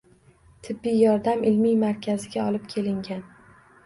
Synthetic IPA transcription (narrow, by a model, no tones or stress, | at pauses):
t̪ʰɪbːijjɒɾd̪amɪlmijmaɾkʲʰazɪɡʲaɒlˠɪp̚kʲʰe̞lɪŋɡʲan